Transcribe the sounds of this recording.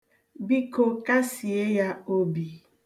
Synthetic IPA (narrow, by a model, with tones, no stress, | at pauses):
bi˦ko˦ka˦si˨e˦ja˦o˦bi˨